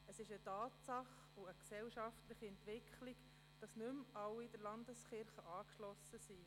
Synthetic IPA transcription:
əsɪʃətɑːtsɑχ | uəksɛwʃɑftləχiɛntʋɪkχliɡ | d̥ɑsnʏmɑwːidəɾlɑndəsχɪɾχəʔɑːkʃlɔsːəsi

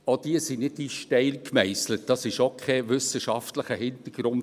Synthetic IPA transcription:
od̥iəsinɪdiʃtɛɪlkmɛɪslət̚d̥ɑsɪʃokʰχɛʋʏsəʃɑftləχəhɪnt̪əɡ̥ɾʊn

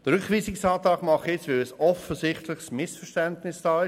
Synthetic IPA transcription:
d̥̪əɾʏkχʋiːsɪksɑːt̪ɑːkmɑχjɛt͡sʋeəsɔfəzɪχtlɪχsmɪsfəʁʃtɛntnɪsd̥ɑːɪ

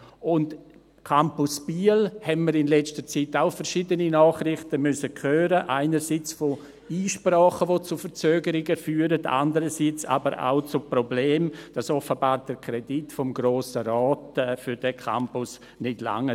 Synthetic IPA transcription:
ʔʊnd | kʰampʊsb̥iːəlhɛnməɾɪnlɛt͡stət͡sitaʊfəɾʃiːdəninɔːχrɪχtəmʏsəkʰøːɾəʔaɪnəɾsit͡sfo | iːʃprɔːχəʋot͡sufəɾt͡søːɡəɾɪɡəfyːɾəda̰ndəɾəsiːt͡sa̰bəɾʔa̰ʊt͡sʊprobleːmd̥asɔfəbaːɾd̥əkʰrɛditfɔmɡɾoːsəɾɔːtɛfʏɾd̥ɛkʰa̰mpʊs | nɪtla̰ŋə

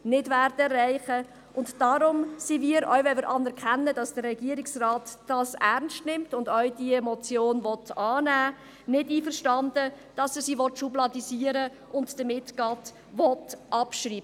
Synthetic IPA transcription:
nɪdvæːrdəɛrːæɪχə | ʔʊntd̥ɑɾʊmsimiːəɾœ̰ʊʋɛməɾʔɑnɛɾkʰɛnːəd̥ɑsd̥ərɛɡ̥iəɾɪksraːtd̥ɑːsæɾnstnɪmtʊndœɥd̥iɛmɔt͡sjoːnʋɔtɑːnæː | nɪdiːfəɾʃtɑndə | d̥ɑsɛsiːʋɔtʃublɑdisiəɾə | ʔʊndd̥əmɪtɡ̥ɑːt | ʋɔtʔɑpʃriːbə

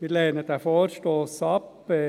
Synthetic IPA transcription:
ʋɪɾleːnət̪æfoːɾʃtoːsɑpː

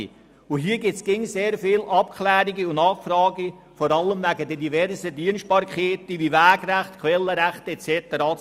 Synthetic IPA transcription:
ʊɦiːəɡɪt͡sɡ̥ɪŋseːɾfɪːlʔɑp̚kʰlæːɾiɡiʊnɑχfrɑːɡi | fɔɾɑlːəmvæɡədɛdivɛɾsədiənst̚pɑɾkʰeːt̪iʋiʋæːɡræχt̪kχʋɛlːəɾæχtɛt͡sɛt̪əɾɑ

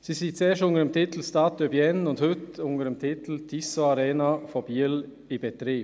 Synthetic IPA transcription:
sisiːt͡seːʃʊŋəɾəmt̪ʰɪt̪l̩stɑːt̪̚døbjɛnʊnthʏt̪ʊŋəɾəmt̪ʰɪt̪l̩t̪ʰisoaɾeːnafɔbiːəl | ɪbɛt̪ɾiːp

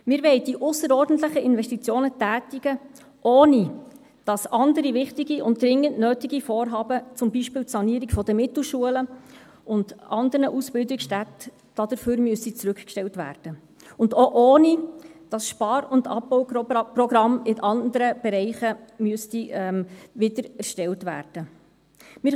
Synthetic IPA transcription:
mɪːɾʋɛɪd̥iʔʊsəɾɔːɾdn̩tləχəɪnvɛʃtit͡sjoːnətæːtɪɡ̥ə | ʔoːni | d̥ɑsɑndəɾivɪχtɪɡiʊnt̚dɾɪŋːəntnøːtiɡifɔːɾɦɑːbət͡sʊmbiʃpɪːltsɑniːɾiɡfɔd̥əmɪtl̩ˠʃuələ | ʊnd̥ʔɑndəɾnəʔusb̥ɪldɪksʃtæt | d̥ɑd̪̥əɾføɾmyəsit͡sɾʉkkʃtɛltvæ̰ːrd̥ə | ʊndoʔoːnid̥ɑsʃpɑːɾʊndɑ̰pːɔwprɔɡɾɑmɪnʔɑnd̪əɾəb̥ɛɾɛɪχəmyəstiɛmʋɪdəɾæɾʃtɛltvæ̰ːrd̥ə | mɪɾ

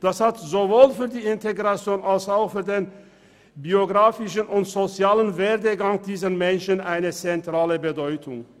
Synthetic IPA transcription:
d̥ashatzovoːlfyːɐdiːɪntʰeɡʁat͡sjoːnalsaʊxfyːɐdeːn | bioɡʁaːfɪʃənʊntz̥ot͡sjaːlənveːɐdəɡaŋd̥iːzənmɛnʃənʔaɪnət͡sɛntʁ̥aːləbədɔʏtʰʊŋ

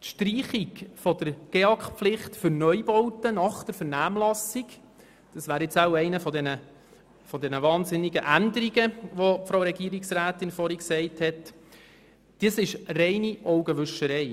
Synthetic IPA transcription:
tʃtriːχiɡfɔd̥əɾɡ̥eɑkχpflɪχtfʏɾnœjbɔwtənɑχd̥əɾfəɾnæːmlɑsiɡ | d̥ɑsʋæːɾɪt͡sɑʊɛɪnəfɔdɛnə | fɔd̪ɛnəvɑːnzɪnːiɡəʔændəɾiɡəʋɔfɾowɾɛɡiːɾiksræːt̪ɪnfɔɾiksɛɪthɛt | d̥iːsɪʃrɛɪniʔɔʊɡəʋʏʃəɾɛɪ

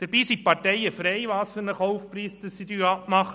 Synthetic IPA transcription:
d̪̥əɾb̥iːsipɑɾtɛɪəfɾeɪʋɑːsfʏɾnəχɔwfpɾiːsd̪əsːid̪yːɑpmɑχə

